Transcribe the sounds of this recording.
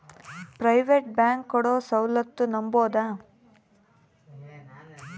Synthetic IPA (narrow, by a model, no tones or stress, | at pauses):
pɾɐjʋeʈbjaːŋkːɔɽoːsɐwlɐt̪ːunɐmboːd̪aː